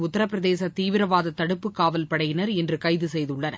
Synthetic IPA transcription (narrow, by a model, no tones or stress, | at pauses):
ʊt̪ːɐɾɐpːɪɾɐðeːsɐt̪iːʋɪɾɐʋaːðɐt̪ːɐɽɯpːɯkːaːʋɐlpɐɽɐjɪnɐɾɛndrɯkɐɪðɯsɛjðɯɭːɐnɐ̰